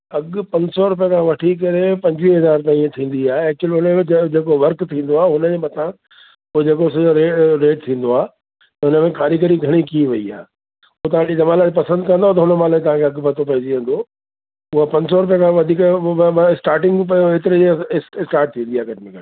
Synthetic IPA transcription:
ɐɠpɐ̃ɲsɔɾʊp̬ijãkʰãʋɐʈʰik̬ɐɾepɐ̃ɲd͡ʑʋiɦɐzaːɾt̪aːĩt̪ʰĩːn̆d̪iaːɦeekɪlʊnd͡ʑeːkoʋɐɾkt̪ʰĩːn̆d̪oaːɦʊnəd͡ʑemɐt̪ʰã | ʊɦed͡ʑeːkoɪs̬ɐd͡ʑoɾeɾeːʈ̚t̪ʰĩːn̆d̪oaː | t̪ɐɦʊnəmẽkaːɾikɐɾiɡʱɐɽ̃ikiʋɐia̰ː | ʊot̪ɐʋ̤ãɪt̪emalaːɽipɐsə̃nd̪kɐ̃nd̪oat̪ɐɦʊnəmãlaːĩt̪ɐʋ̤ãkʰeɐɠbʱɐt̪ʰopɐɦɪd͡ʑiʋẽn̆d̪o | ʊɦapɐ̃ɲsɔɾʊp̬ijãkʰãʋɐd̪ʱiːkɪsʈaːɾʈɪ̃ŋɡpɐoet̪ɪɾed͡ʑssʈaːɾʈ̚t̪ʰĩːn̆d̪iaːɡɐʈmekɐ

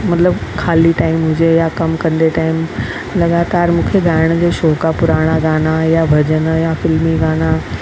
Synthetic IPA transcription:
mɐt̪ləbkʰaːliʈaːɪmɦʊ̃d͡ʑejakɐmkɐ̃nd̪eʈaːɪm | lɐɡaːt̪aːɾmũːkʰeɡʱaːɪɽ̃d͡ʑeːʃoːkapʊɾaːɽ̃aɡaːnajabʱɐd͡ʑənjafɪlmiɡaːna

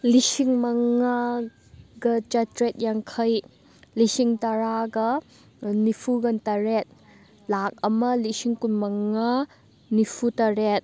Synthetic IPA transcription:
lisiŋmɐŋa | ɡɐt͡ʃɐtɾet̚jaŋkʰɐj | lisiŋtɐɾaɡɐ | nipʰuɡɐntɐɾet̚ | lak̚ɐmɐlisiŋkunmɐŋa | nipʰutɐɾet̚

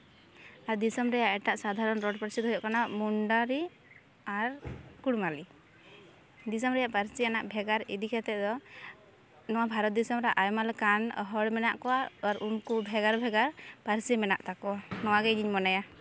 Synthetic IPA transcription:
aɾd̪isɔmɾɛjaʔɛʈaʔsad̪ʱaɾɔnɾɔɖpaɾsid̪ɦɔjɔʔkanamuɳɖaɾi | aɾkuɽmali | d̪isɔmɾɛjaʔpaɾsianaʔbʱɛɡaɾḭd̪ikɛt̪ɛd̪ɔ | nɔwabʱaɾɔt̪̚d̪isɔmɾaʔajmalkanɔ̰ɦɔɽmɛnaʔkɔwaaɾunkubʱɛɡaɾbʱɛɡaɾpaɾsimɛna̰ʔt̪akɔanɔwaɡɛd͡ʒiɲmɔnaja

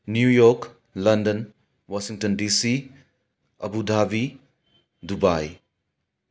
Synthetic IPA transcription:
njujɔɾk | lɐndɐn | wasiŋtɔndisi | ɐ̰budʱabi | dubaj

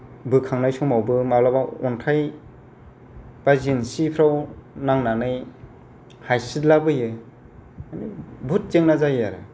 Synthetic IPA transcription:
bɯkʰaŋnajsɔŋmawbɯmablabaɔntʰaj | b̥azinsipʰɾawnaŋnanɯj | hajsidlabɯjɯ | anibut̚zeŋnazajaɾɯ̰

